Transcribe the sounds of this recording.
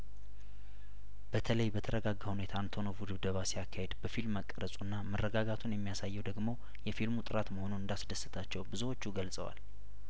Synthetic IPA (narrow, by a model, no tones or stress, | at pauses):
b̥ət̪ʰələjbət̪ʰəɾəɡaɡːahunet̪ʰant̪ʰonovud̪ɨβd̪əβasijakʰːahed̪bəfilməkʼːəɾəsʼunːamərːəɡaɡat̪ʰunjɛmːijasajːɛwd̪əɡmo̞ | jɛfilmut̪ʼɨɾat̪məho̞nunɨnd̪asd̪əsːɨt̪ʰat͡ʃːɛwbɨzuwo̞t͡ʃːuɡəlsʼə̰wa̰l